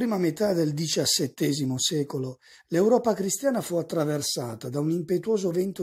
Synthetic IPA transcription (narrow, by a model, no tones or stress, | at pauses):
ɾiːmamet̪ad̪eld̪it͡ʃasːɛt̪ːɛːzimosɛːkolo | lewɾɔːpakɾist̪jaːnafuat̪ːɾaversa̰ːt̪ad̪aunimpet̪uwɔːzovɛnt̪o